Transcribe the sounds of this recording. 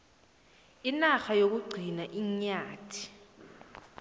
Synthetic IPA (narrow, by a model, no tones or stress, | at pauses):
inaxajok̬uɡ͡ǀʱinaʔiɲaːtʰi̥